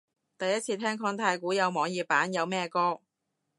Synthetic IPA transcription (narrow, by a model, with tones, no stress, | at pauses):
t̪ɐ˨jɐ˥t̚t͡sʰiː˧t̪ʰɛː˥ŋkʰɔː˧ŋt̪ʰaː˧jkuː˨˥jɐ˨˧wmɔː˨˧ŋjiː˨˧paː˨˥njɐ˨˧wmɛː˥kɔː˥